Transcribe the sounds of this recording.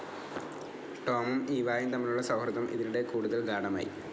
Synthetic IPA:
ʈoːmumiːʋaːjint̪ɐmːiluɭːɐsɐwhɾɐðɐmʔḭðiluɽe̞kuːɽuðɐlɡaːɽɐma̰ːjḭ

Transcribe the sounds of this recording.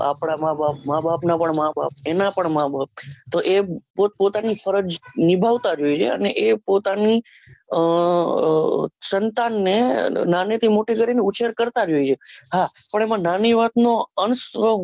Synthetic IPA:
a̰pɽ̃amãbap̚mãbapnapəɳmãbap̚enapəɳmãbʱap̚t̪oʔepopot̪anifəɾəd͡ʒnibʱaʋt̪ad͡ʒoit͡ʃʰḛə̰neʔepot̪ani | sənt̪anːenanet̪ʰimoʈeɡəɾineut͡ʃʰeɾkəɾt̪ad͡ʒoit͡ʃʰehapəɳemãnaniʋat̪noənsʋə

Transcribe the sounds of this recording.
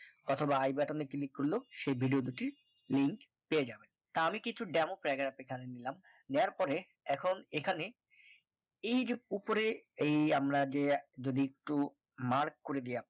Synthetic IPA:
ɔt̪ʰobaajbɛʈonekilikːoɾloʃejbʱiɖiod̪uʈiɾ | liŋk | peed͡ʑaben | t̪aamikit͡ɕʰuɖɛmopɾɛɡaɾapekʰaɾenilam | neaɾpɔɾe | ɛkʰonekʰane | ejd͡ʑeupoɾeejamɾad͡ʑed͡ʑod̪iek̚ʈu | maɾkːoɾed̪ija

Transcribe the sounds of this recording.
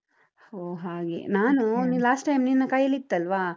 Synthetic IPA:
hoːɦaːɡḛnaːnunilaːsʈːɐjmninːɐkajɐlit̪ːɐlʋaː

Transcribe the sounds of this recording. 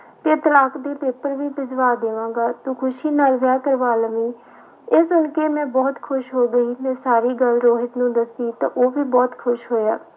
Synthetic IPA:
t̪eːt̪əlaːkd̪eːpeːpəɾʋiːpɪsʋaːd̪eːʋã̆ːɡaːt̪ũːkʰʊʃiːnaːlʋjaːkəɾʋaːlmiː | eːsʊnkeːmɛ̃ːbɔːt̪kʰʊʃɦoːɡəiːmɛ̃ːsaːɾiːɡəlɾoːɦɪt̪nũːd̪əsiːt̪ã̰ːʔoːʋiːbɔːt̪kʰʊʃɦoːjaː

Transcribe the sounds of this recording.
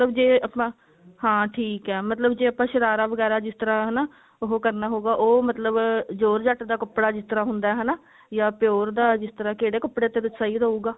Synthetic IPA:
ət̪ləbd͡ʒeːəpãː | hãːʈʰiːkɛːmət̪ləbd͡ʒeːəpãːʃəɾaːɾaːʋəɡɛːɾaːd͡ʒɪst̪əɾãːɦənaː | oɦokəɾnaːɦoːɡaːʔoːmət̪ləbd͡ʒoːɾd͡ʒaʈd̪aːkəpːɽaːd͡ʒɪst̪əɾãːɦʊnd̪aːɛːɦənaː | jaːpɪjoːɾd̪aːd͡ʒɪst̪əɾãːkeːɽeːkəpːɽeːt̪eːd̪ɪt͡ʃːsaːiːɾəːuːɡaː

